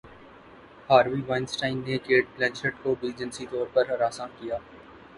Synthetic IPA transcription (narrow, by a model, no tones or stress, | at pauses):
haːɾʋiːʋaɪnsʈaːɪnnekeːʈ̚plɛ̃nʃəʈkobiːd͡ʒənsit̪ɔːɾpɐɾɦɐɾaːsãkijaː